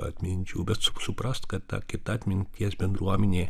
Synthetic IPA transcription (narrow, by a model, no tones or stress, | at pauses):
ɐ̰t̪ʲmʲɪnʲt͡ʃʲuːbʲɛt̪sʊsʊpɾɐst̪kɐt̪tɑ̰ːkʲɪt̪ɑt̪ʲmʲɪnʲt̪ʲiɛsbʲɛnd̪ɾuɔmʲɛnʲeː